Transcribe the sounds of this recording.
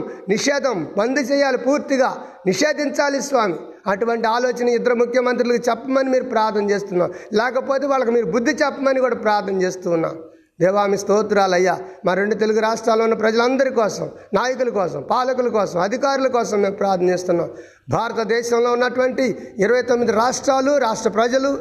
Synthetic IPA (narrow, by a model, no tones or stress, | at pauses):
niʂɛːd̪ʱɐmbɐnd̪it͡ʃɛːjaːlipuːɾt̪iɡaː | niʂeːd̪iɲt͡ʃaːlisʋaːmi | ɐʈuʋɐɳʈiaːloːt͡ʃɐnɐɪd̪ɐɾumukʰjɐmɐnt̪̬ɾilɐkit͡ʃɛpːɐmɐnimiːɾupɾaːɾt̪ʰɐnɐt͡ʃe̞ːst̪unːaːmlɛːkɐpo̞ːt̪eːʋaːɭːɐkumiːɾubud̪ːit͡ʃɛpːɐmɐnikuːɽaːpɾaːɾt̪ʰɐt͡ʃe̞ːst̪uːnːa̰ːm | d̪ɛːʋaːmist̪oːt̪uɾaːlɐjːaːmaːɾe̞ɳɖut̪e̞luɡuɾaːʂʈɾaːlːoːunːɐpɾɐd͡ʒɐlɐnd̪ɐɾikɔːsɐmnaːjɐkulɐkɔːsɐmpaːlɐkulɐkɔːsɐmɐd̪ʱikaːɾulɐkɔːsɐmːe̞ːmpɾaːɾt̪ʰnɐneːst̪unːaːm | bʱaːɾɐt̪ɐd̪ɛːʃɐmlo̞ːunːɐʈuʋɐɳʈiːɾɐʋɐjt̪omːid̪iɾaːʂʈɾaːluɾaːʂʈɾɐpɾɐd͡ʒɐlu